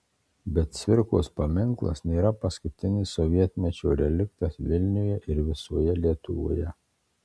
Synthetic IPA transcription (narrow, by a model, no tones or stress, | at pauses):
bʲɛt̪̚sʲʋʲɪɾko̰ːspɐmʲɪŋklˠɐ̰snʲeːɾɐpɐskʊt̪ʲɪnʲɪsɔʋʲiɛt̪ʲmʲɛt͡ʃʲoːɾʲɛlʲɪkt̪ɐsʋʲɪlʲnʲʊjɛʔɪɾʋʲɪsuːjɛlʲiɛt̪ʊʋo̰ːjɛ